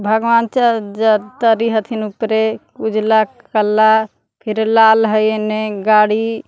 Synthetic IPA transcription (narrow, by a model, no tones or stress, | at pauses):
bʱəɡʋaːnt͡ʃad͡ʒət̪əɾiɦət̪ʰinupɾekud͡ʒla | kəlːa | pʰɪɾlaːlɦəjeneɡaːɽi